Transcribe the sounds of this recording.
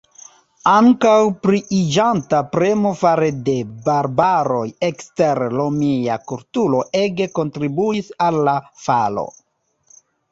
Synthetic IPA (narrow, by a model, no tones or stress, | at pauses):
aŋkawpɾiʔid͡ʒantapɾe̞mo̞faɾede̞baɾbaɾo̞je̞kste̞ɾlomija̰kuɾtulo̞ʔe̞ɡe̞ko̞ntɾibuisalːafalo̞̰